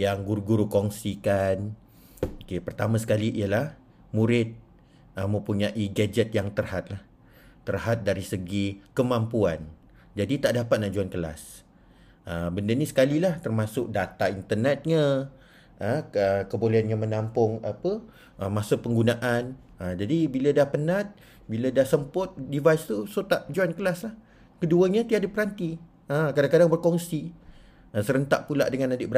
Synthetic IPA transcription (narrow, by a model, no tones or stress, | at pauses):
jaŋɡuɾɡuɾukɔŋsikan | okepərt̪amasə̥kaliʔijalah | muɾɪt̪̚ | əmə̃mpuɲaʔiɡɛd͡ʒɛt̪̚jaŋt̪ərhat̪̚lah | t̪ːərhat̪̚daɾisəɡikəmãmpuan | d͡ʒadit̪aʔdapat̪̚naʔd͡ʒuankəla̰s | əbəndənĩsə̥kalilaht̪ərmãsʊk̚dat̪aint̪ərnɛt̪̚ɲã | əəkəboleanɲãmənampʊŋapə | ʔəmasapəŋɡunaʔan | əd͡ʒadibilədahpənãt̪̚ | bilədahsəmpʊt̪̚divajst̪usot̪aʔd͡ʒuankəlaslah | kəduəɲat̪iadəpəɾant̪i | əkadaŋkadaŋbərkɔŋsi | asəɾənt̪a̰ʔpula̰ʔdəŋanadɪʔbəɾ